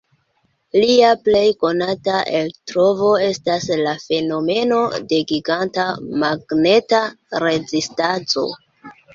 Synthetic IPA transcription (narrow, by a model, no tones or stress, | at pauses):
liaple̞jko̞nataʔe̞ltɾo̞vo̞e̞staslafe̞no̞me̞no̞de̞ɡiɡantamaɡne̞taɾe̞zistat͡so̞̰